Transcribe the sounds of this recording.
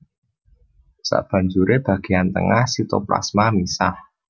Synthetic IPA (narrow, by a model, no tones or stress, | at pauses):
sa̰ʔb̥a̤ɲd͡ʒuɾeb̥ä̤ɡ̥ejant̪əŋahsit̪opla̰smamisah